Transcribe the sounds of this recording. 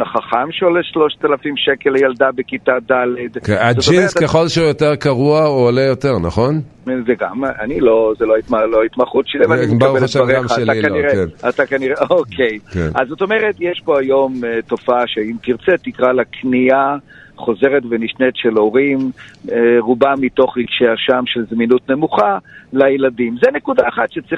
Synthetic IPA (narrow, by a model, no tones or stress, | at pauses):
naχaχamʃeoleʃlo̞ʃt̪alafimʃekelejald̪abekitad̪aled̪keazod͡ʒtoieestkjeχo̞lʃeujoteʁkaʁuaoːlejoteʁnaχo̞n | zeɡamanilo̞zeloait̪maloait̪maχut̪ʃilivaitkaeltaʁemaːlakaiʁenat̪akaniʁeokʰejkenazo̞t̪o̞me̞ʁet̪jeʃpo̞ajo̞mto̞faaʃeimkiʁt͡set̪ikʁalakʰnia | χo̞zeʁetveniʃnet̪ʃe̞lo̞ʁim | ʁubamito̞χiɡʃeaʃamʃelzminutne̞muχalajeladimzene̞kudaːχatʃet͡sʁi